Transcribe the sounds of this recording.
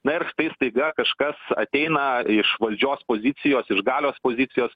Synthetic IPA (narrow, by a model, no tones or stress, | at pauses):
nɐɪɾʃt̪ɐɪst̪ɐɪɡɐkɐʃkɐsɐ̰t̪ʲɛɪnɐɪʃʋɐlʲd͡ʒʲoːspoːzʲɪt̪sʲɪjoːsɪʃɡɑːlʲoːspoːzʲɪt̪ʲɪjoːs